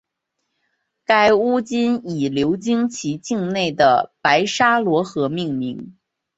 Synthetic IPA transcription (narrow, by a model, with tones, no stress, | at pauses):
ka˥ɪu˥t͡ɕi˥ni˨˩ljo˧˥ʊt͡ɕi˥ŋt͡ɕʰi˧˥t͡ɕi˥˧ŋne˥˩ɪd̪ə˩pa˧˥ɪʂa˥lwɔ˧˥xɤ˧˥mi˥˩ŋmi˧˥ŋ